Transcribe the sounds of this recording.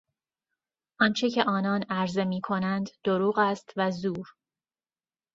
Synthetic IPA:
ʔɒnt͡ʃʰecʰe̞ʔɒːnɒːnæɾze̞miːkʰo̞nænd̪d̪̥oɾuːɣæst̪væzuːɾ

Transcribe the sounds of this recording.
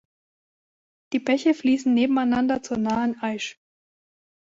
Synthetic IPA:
d̥iːbɛçəfliːsn̩neːbm̩aɪnandɐt͡suːɐnaːənʔaɪʃ

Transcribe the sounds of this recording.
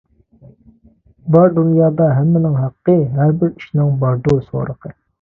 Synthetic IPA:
bɑɾd̪unjɑːd̪ɑɦɛmːɪnɪŋɦæqːəɦæɾbɪɾi̥ʃnɪŋbɑɾd̪oso̰ːɾəqʰə

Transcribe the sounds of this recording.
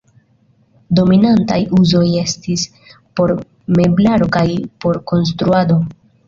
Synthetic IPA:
do̞minanta̰juzo̞je̞stis | po̞ɾ | me̞blaɾo̞kajpo̞ɾko̞ns̬tɾuado̞

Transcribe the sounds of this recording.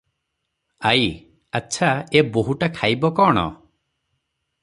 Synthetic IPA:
aj | aːt͡ʃʰaeboɦuʈakʰajbɔkɔːɽ̃ɔ̰

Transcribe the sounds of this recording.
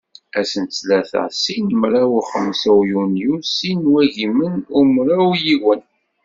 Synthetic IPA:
æsənt͡slæθə̰ʁsinmɾawuχəmsæwjunjusinwæʝimənumɾawjiwən

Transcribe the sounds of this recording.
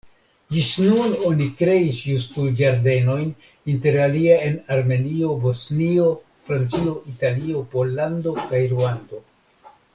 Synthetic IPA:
d͡ʒisnuno̞nikɾe̞isjustuld͡ʒaɾde̞no̞jn | inte̞ɾaliae̞naɾme̞nio̞bo̞snio̞ | fɾant͡sio̞ʔitalio̞po̞lːando̞kajɾuando̞

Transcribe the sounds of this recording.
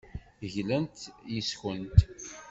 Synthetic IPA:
ʝlənt̪jisçənt̪

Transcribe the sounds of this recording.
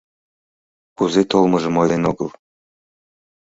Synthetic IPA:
kuzet̪olˠmɤʒə̆mojldenoɡəlˠ

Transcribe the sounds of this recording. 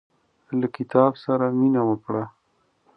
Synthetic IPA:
lakɪt̪ɑbsaɾaminawəpɽa

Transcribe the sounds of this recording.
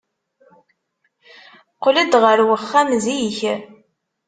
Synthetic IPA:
qləd̪ʁəɾwəχːæmziç

